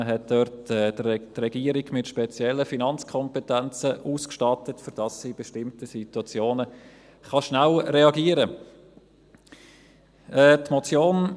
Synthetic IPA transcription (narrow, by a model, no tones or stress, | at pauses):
əɦɛt̚d̥œɾt̚ɛːd̥trɛɡ̥iːəɾiɡmɪtʃpɛt͡sjɛlːəfinɑnt͡skʰɔmpɛtænt͡səʔuːskʃtɑtətfʏɾd̥ɑsːib̥eʃtɪmtəsituɑt͡sjoːnə | χɑʃnælɾeɑɡiːəɾə | ɛːtmɔt͡sjoːn